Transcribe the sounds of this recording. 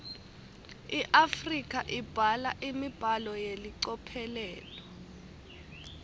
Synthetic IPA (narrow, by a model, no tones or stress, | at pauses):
iʔafrikʼaʔib̥ʱalaʔimib̥ʱalɔjeliǀɔpʰɛlɛːlɔ